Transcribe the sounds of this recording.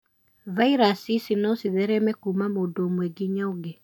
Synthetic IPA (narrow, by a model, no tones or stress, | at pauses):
vaiɾasisinɔsiðɛɾɛmɛkumamoːdoomwɛɡiɲaoɡe